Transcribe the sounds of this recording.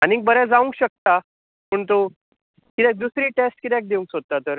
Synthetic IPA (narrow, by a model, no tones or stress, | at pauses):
anĩk̚bəɾɛd͡zaʋuŋkɕək̚t̪a | pəɳt̪o | kit̪jɛk̚d̪usɾiːʈesʈkit̪jɛk̚d̪euŋksod̪̚t̪ːat̪əɾ